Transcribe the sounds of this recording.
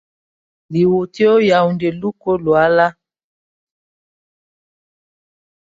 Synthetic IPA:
li˨wo˨te˦o˦ja˨u˨nde˨lu˦ko˦lwa˦la˦

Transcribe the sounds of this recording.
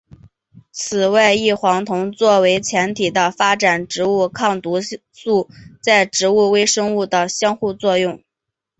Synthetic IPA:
t͡sʰɹ̩˨˩wa˥˧ɪi˥˩xwɑ˧˥ŋt̪ʰʊ˧˥ŋt͡swɔ˥˩we˧˥ɪt͡ɕʰjɛ˧˥nt̪ʰi˨˩d̪ə˦fa˥ʈ͡ʂa˨˩nʈ͡ʂɻ̩˧˥u˥˧kʰɑ˥˩ŋt̪u˧˥ | su˥˧t͡sa˥˩ɪʈ͡ʂɻ̩˧˥u˥˩we˥ɪʂɤ˥ŋu˥˩d̪ə˩ɕjɑ˥ŋxu˥˧t͡swɔ˥˧jʊ˥˩ŋ

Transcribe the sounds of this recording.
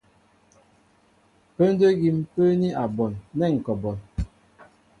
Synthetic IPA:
pə˦n˦də˦ɡi˨m˦pə˦ni˦ʔa˨bɔ˨nːɛ˦˨ŋ̩˨kɔ˨bɔ˨n

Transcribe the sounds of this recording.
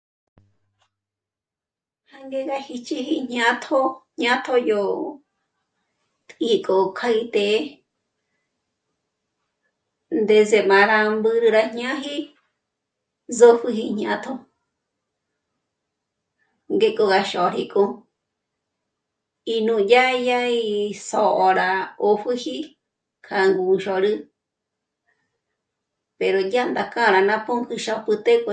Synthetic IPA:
ha˧ŋɡe˦ɣa˧hi˧t͡ʃi˧hi˧ɲ̥ã˧t̪ʰo˦ɲã˦t̪ʰo˧jo˧˨ | t̪ʼi˧kʼo˧kʰa˧i˧t̪e˧˦ | nd̪e˧ze˧mã˨ɾa˧mbɨ˧ɾɨ˧ɾa˧ɲã˦ɦi˦ | zo˧ɸɨ˧ɦi˧ɲ̥ã˧t̪ʰo˧ | ŋɡe˧kʼo˧ɣa˧ʃo˨ɾḭ˧kʼo˧ | i˧nũ˧ja˦ja˦i˧so˧ʔo˧ɾa˧o˧ɸɨ˦hi˦ | kʰa˧ŋɡu˧ʃo˧ɾɨ˦ | pe˧ɾo˨ja˦nd̪a˨kã˦˧ɾa˧nã˧po˦ŋkɨ˧ʃa˧pɨ˧t̪e˦kʼo

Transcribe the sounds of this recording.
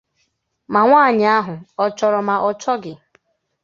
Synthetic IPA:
ma˨ŋʷaː˦˨ɲ˨a˦ɦʊ˨ɔ˨t͡ʃɔ˨ɾɔ˨ma˨ʔɔ˨t͡ʃɔ˦ɡɪ˨

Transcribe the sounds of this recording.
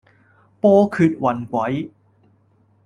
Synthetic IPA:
pɔː˥kʰyː˧t̚wɐ˨˩nkʷɐ˨˥j

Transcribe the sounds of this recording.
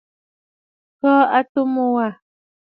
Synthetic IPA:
kɔ˦a˦˨tu˦mo˦˨wa˨

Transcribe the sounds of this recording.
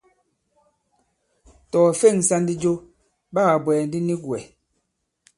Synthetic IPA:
tɔː˨fe˦˨ŋ˨sa˦n˦di˦d͡ʒo˦ | ba˦ɣa˨bwɛ˨n˦di˦ni˦ɡwɛ˨

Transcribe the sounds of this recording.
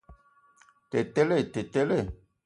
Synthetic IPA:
t̪e˨t̪e˦le˦˨t̪e˨te˦le˦˨

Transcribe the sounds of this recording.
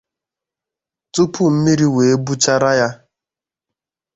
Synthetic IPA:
tu˦pu˦m̩˦mi˦ɾi˦we˨e˦bu˦t͡ʃa˦ɾa˦ja˦

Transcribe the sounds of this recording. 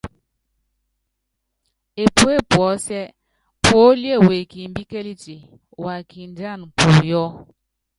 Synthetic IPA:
e˨pu˦e˦˨pwɔ˨˦sɛ˦ | po˨˦li˦e˦˨we˨ki˨m˦bi˦ke˦li˦ti˨ | wa˨ki˨n˦da˦˨n˨pu˨jɔ˦

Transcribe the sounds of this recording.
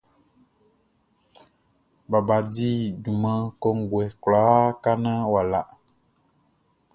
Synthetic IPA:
ba˨ba˨di˦du˨mã˦kɔ˦ŋ˦ɡwɛ˨kla˨˦ka˦nã˦wa˨la˨

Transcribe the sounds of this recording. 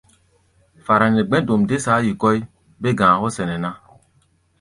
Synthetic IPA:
fa˨ɾa˨nɛ˨ɡ͡bɛ̃˦do˨mde˦sa˨˦ji˨kɔ˦j | be˦ɡã˨kɔ˦sɛ˨nɛ˨na˦

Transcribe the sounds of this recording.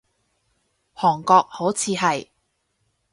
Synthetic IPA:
hɔː˨˩ŋkɔː˧k̚ho˨˥wt͡sʰiː˧ɦɐ˨j

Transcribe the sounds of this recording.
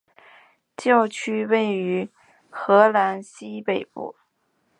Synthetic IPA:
t͡ɕjɑ˥˩ʊt͡ɕʰy˥we˥˩ɪy˧˥ | xɤ˧˥la˧˥nɕi˥pe˥˧ɪpṵ˥˩

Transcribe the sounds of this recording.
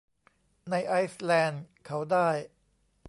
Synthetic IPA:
na˧jʔa˦˥jslɛː˧nkʰa˦˥wdaː˥˩j

